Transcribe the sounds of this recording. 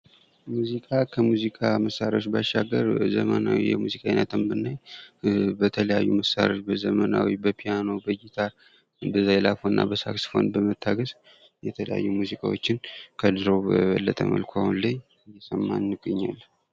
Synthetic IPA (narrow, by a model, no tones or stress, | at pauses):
muzikʼakʰəmuzikʼaməsaɾawot͡ʃbaʃːaɡːəɾzəmənawijɛmuzikʼainət̪ʰɨmbɨnːaj | bət̪ʰələjajːuməsaɾot͡ʃbəzəmənawibəpʰijano̞bəjit̪ʰaɾ | bəzajlafonːa̰bəsaksfo̞̰nbəmət̪ʰːaɡəz | jɛt̪ʰələ̰ja̰jːumuzikʼa̰wo̞̰t͡ʃːɪnkʰəd̪ɨɾowbəβəlːət̪ʼəmə̰lkʰoahunləj | jɛsʼəmːannɨɡʼɨɲːa̰lː